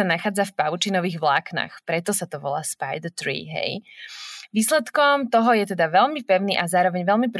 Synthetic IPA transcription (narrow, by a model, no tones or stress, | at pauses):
anaxaːd͡zafpaʋʊt͡ʃinɔʋiːɣʋlaːkna̰ːxpɾɛt̪ɔsat̪ɔʋɔla̰ːspajd̪t̪ɾḭːɦɛ̰j | ʋiːslɛt̪kɔmt̪ɔɦɔjɛt̪ɛd̪aʋɛlmipɛʊniːʔazaːɾɔʋɛɲʋɛlmipɾ